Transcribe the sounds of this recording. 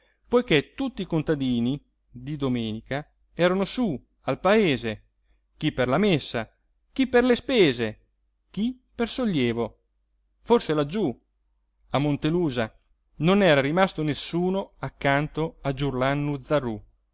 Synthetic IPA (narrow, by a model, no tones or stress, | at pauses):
pojket̪ut̪ːikont̪ad̪iːni | d̪id̪omɛːnika | ɛːɾanosu | alpaeːze | k̟ipːerlamesːa | k̟ipːerlespeːze | k̟i | persoʎːjeːvo | forselad͡ʒːu | amːont̪eluːza | nonɛːɾaɾimast̪onesːuːnoakːant̪oad͡ʒurlanːud̪zarːu